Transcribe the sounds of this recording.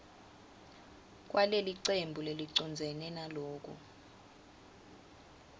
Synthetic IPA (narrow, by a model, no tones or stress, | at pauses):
k̬ʼwaleliǀembʱuleliǀɔnd͡zʱɛnɛnaloːk̬ṵ